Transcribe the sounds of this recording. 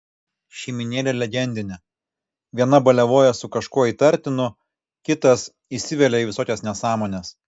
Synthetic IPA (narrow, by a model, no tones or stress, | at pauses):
ʃʲɛːmʲɪnʲeːlʲɛlʲɛɡʲɛnʲd̪ʲɪnʲɛ | ʋʲiɛnɐbɐlʲɛʋoːjɛsʊkɐʃkuɔiːt̪ɐɾʲt̪ʲɪnʊ | kʲɪt̪ɐs | isʲɪʋʲɛlʲɛiːʋʲɪsoːkʲɛsnʲɛsɑːmoːnʲes